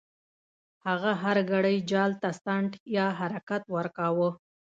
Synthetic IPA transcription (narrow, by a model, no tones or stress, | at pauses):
haɣaɦaɾɡaɽəjd͡ʒɑlt̪ast̪aɳʈjɑɦaɾakat̪waɾkawə